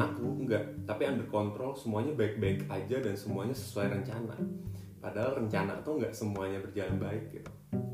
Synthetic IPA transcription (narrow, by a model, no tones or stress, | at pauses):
akuŋɡaʔt̪apianbəkɔnt̪ɾɔlsəmuaɲabaɪk̚baɪkad͡ʒadansəmuaɲasə̥suajrəɲt͡ʃana̰ | padaɦalrəɲt͡ʃana̰t̪uŋɡaʔsəmuaɲabərd͡ʒalanbaɪk̚it̪u